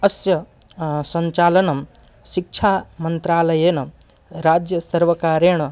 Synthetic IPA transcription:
ɐsjɐsɐɲt͡ʃaːlɐnɐ | ʃik̚t͡ʃʰaːmɐnt̪ɾaːlɐjenɐ | ɾaːd͡ʒjɐsɐɾʋɐkaːɾeɳ̃ɐ

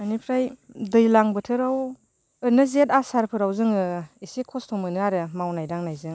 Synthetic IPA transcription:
anipʰɾajdɯjlaŋbɯtʰɯɾaw | ɯnɯzetasaɾpʰɯɾawzɯŋɯisikʰɔstʰɔmɯnɯaɾɯmawnajdaŋnajzɯŋ

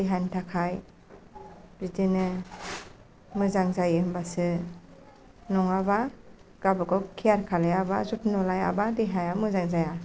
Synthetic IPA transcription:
diɦajntʰakʰaj | ɾitinɯ | mɯzaŋzajɯmbasɯ | nɔŋabaɡ̥abɯkɔkʰijaɾkʰalajabazutnɔlaja̰badiɦajamɯzaŋzaja

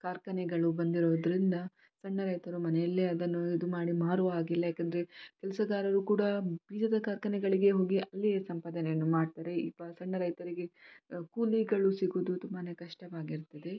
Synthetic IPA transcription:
kaːɾkɐnɛɡɐɭubɐnd̪iɾoːd̪ɐɾind̪ɐ | sɐɳːɐɾɐjt̪ɐɾumɐnɛjɐlːeɐd̪ɐnːuid̪umaːɽimaːɾuaːɡilːɐjaːkːend̪ɐɾe̞kɛlɐsɐɡaːɾɐɾukuːɽɐbiːd͡ʒɐd̪ɐkaːɾkɐnɛɡɐɭiɡe̞ɦoːɡiʔɐlːijesɐmpaːd̪ɐnejɐnːumaːɖt̪aːɾe̞ipːɐsɐɳːɐɾɐjt̪ɐɾiɡe̞kuliɡɐɭusiɡuːd̪ut̪umbɐne̞kɐʂʈɐʋaːɡiɾt̪ɐd̪e̞

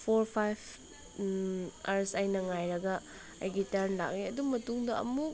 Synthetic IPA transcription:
pʰoɾpʰajbʰ | aɾsajnɐŋajɾɐɡɐ | ajɡitɐɾnla̰k̚niɐdumɐtuŋdɐɐ̰mu

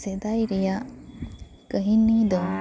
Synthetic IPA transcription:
sed̪ajɾija | kəɦinːid̪əm

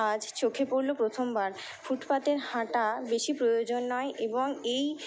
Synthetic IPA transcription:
ad͡ʑt͡ɕokʰepoɾlopɾot̪ʰombaɾ | fuʈpat̪eɾhãʈabeʃipɾojod͡ʑonːɔeʔeboŋej

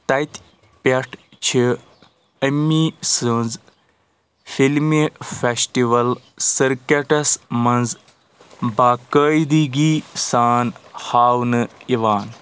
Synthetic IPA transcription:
t̪ɐt̪ʲ | pʲɐʈʰ | t͡ʃʰi | əmːisɨnz | filmefesʈiʋɐl | səɾkeʈɐsmɐnz | baːkəːid̪iɡisaːnhaːwnɨiʋaːn

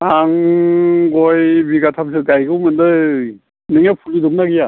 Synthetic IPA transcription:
aŋ | ɡɔjbiɡatʰamsɯɡajɡɯwmɯndɯ | nɯŋjapʰulidɯmnaɡija

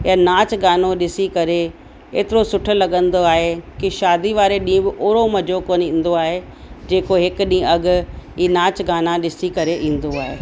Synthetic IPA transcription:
janaːt͡ɕɡaːnoɗɪsikɐɾe | ḛːt̪ɪɾosʊʈʰʊ̆lɐɠə̃nd̪oaːɦekɪʃaːd̪iʋaːɾeɗĩːʊ̃bɪʔoːɾomɐd͡ʑʱokoːnĩːn̆d̪oaːɦe | d͡ʑeːkoɦɪkʊɗĩːɐɡʊ̆iːnaːt͡ɕɡaːnaɗɪsikɐɾeʔĩːn̆d̪oaːɦeː

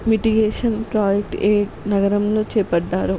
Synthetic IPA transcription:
miʈiɡeːʂɐnpɾaːd͡ʒek̚ʈeːʈnɐɡɐɾɐmlo̞ːt͡ʃɛːpɐɖːaːɾu

